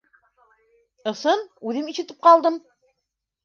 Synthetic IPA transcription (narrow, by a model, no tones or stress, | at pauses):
ɤ̆sɤnʉðɘmiʃɘ̆t̪ɘp̚qɑlˠd̪ɤm